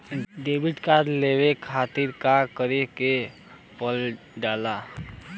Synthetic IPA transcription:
ɖebiʈkad̪lewekʰaːt̪iɾkakəɾeke | pəl | ɖaːla

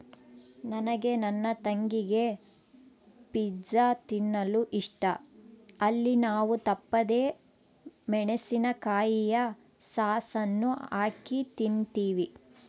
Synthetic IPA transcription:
nɐnɐɡe̞nɐnːɐt̪ɐŋɡiɡe̞ | pid͡ʒɐt̪inːɐluʔiʂʈɐ | ɐlːinaːʋut̪ɐpːɐd̪e̞ː | mɛɳesinɐkaːjijɐ | saːsɐnːuaːkit̪int̪iːʋi

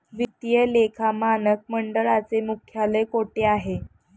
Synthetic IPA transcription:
ʋit̪jəlekʰamanək̚məɳɖəɭat͡semukʰjaləkoʈeaɦe

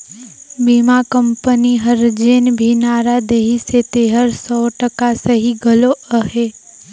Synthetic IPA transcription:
biːmakəmpəniɦəɾd͡ʒeːnbʱinaːɾad̪eɦiset̪eːɦəɾsɔːʈəkasəɦiɡəloəɦeː

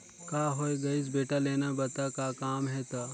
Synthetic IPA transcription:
kaːɦoːeɡɐɪs̬beːʈaleːnabɐt̪akaːkaːmɦɛt̪aː

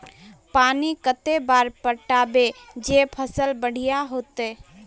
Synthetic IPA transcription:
paːnikət̪ebaːɾpəʈaːbed͡ʒepʰəsəlbəɽ̤ijaɦoːt̪e

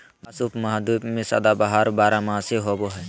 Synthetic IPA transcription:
ɐsuːpmɐɦd̪uːbmẽsɐ̰d̪abaɦaɾbaːɾamãːseɦoːboɦɛ

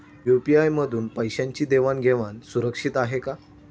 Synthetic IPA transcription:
jupiajməd̪ʱuːnpəjɕjaɲt͡ɕiːd̪eʋanɡʱeʋansuɾəkʂiːt̪aɦeka

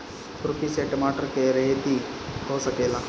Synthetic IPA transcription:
t̪ʊɾkiseʈmaːʈəɾkeɾɐɦet̪i | ɦosɐkeːlaː

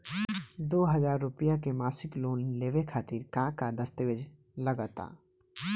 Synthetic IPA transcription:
d̪oːɦəzaːɾːʊpijakemaːsɪkloːnleːʋekʰaːt̪ɪɾkãːkad̪əst̪eʋed͡ʒ | ləɡət̪a̰ː

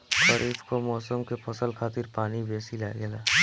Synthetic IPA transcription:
ʃɐɾʔiːfkomɔːsəmkepʰɐsəlkʰaːt̪ɪɾpaːnibeːsilaɡɛlaː

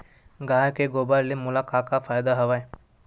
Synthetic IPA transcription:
ɡaːjkeɡoːbaɾlemʊlaːkaːkafaːjd̪aɦɐʋaːe

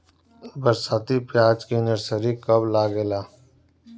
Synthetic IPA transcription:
bɐɾsaːt̪ipjaːd͡ʒkinəɾsəɾikɐblaːɡelaː

